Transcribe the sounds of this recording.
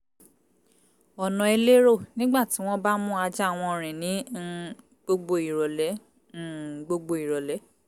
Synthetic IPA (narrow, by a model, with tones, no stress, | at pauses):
ɔ˨nɔ̃˨e˧le˦ɾo˦˨nĩ˦ɡ͡ba˦˨ti˨˦w̃ɔ̃˦ba˦mũ˦a˧d͡ʒa˦a˨w̃ɔ̃˧˨ɾ̃ĩ˨nĩ˨˦ | ɡ͡bo˧ɡ͡bo˧i˨ɾɔ˨lɛ˨˦˨ | ɡ͡bo˧ɡ͡bo˧i˨ɾɔ˨lɛ˨˦